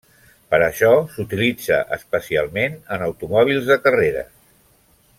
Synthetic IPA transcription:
pəɾəʃɔsut̪ilid͡zə̰ʔəspəsia̰lˠmenənəwt̪umɔβ̞ilˠzðəkəreɾə̰

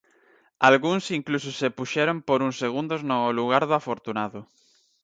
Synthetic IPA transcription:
alɣuŋsiŋklus̬osepuʃɛɾompoɾuŋseɣ̞und̪oznoluɣ̞aɾðoafoɾt̪unaðʊ

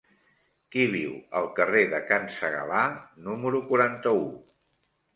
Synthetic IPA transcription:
kiβ̞iwəlˠkəreðəkansəɣə̰lanuməɾukuɾant̪əu

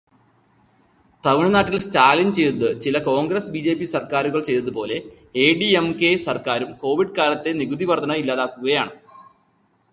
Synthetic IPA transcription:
t̪ɐʋiɳɐnaːʈːilstaːlint͡ɕe̞jt̪ɐðɨt͡ɕilɐko̞ːŋɡrɐsbiːd͡ʑe̞ːpːisɐrkaːɾuɣɐɭt͡ɕe̞jt̪ɐðupo̞ːle̞ | eːɖiemke̞sɐrkaːɾumko̞ːʋiɖɨkaːlɐt̪ːe̞niɡud̪iʋɐrd̪ʰʱɐnɐilːaːðaːkːuɣɐjaːɳɨ

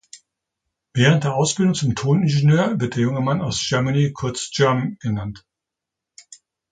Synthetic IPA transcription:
vɛːʁ̞əntd̥eːɐʔaʊsb̥ɪldʊŋt͡sʊmtʰoːnɪnʒenøːɐvɪɐt̚d̥eːɐjʊŋəmanaʊsʒ̥œɐmanikʰʊɐt͡sʒ̥ɛɐmɡ̥ənant

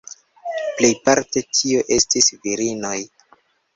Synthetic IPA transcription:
ple̞jpaɾte̞tʰio̞ʔe̞stisviɾino̞j

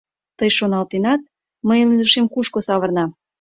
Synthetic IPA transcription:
t̪əjʃonɑlt̪enɑt̪̚ | məjliləʃemkuʃkosɑβərnɑ

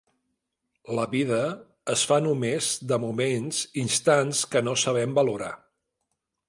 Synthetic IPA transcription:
ləβiðəː | sfanumezd̪əmumenzinst̪anskənosəβ̞ɛmbəluɾa̰

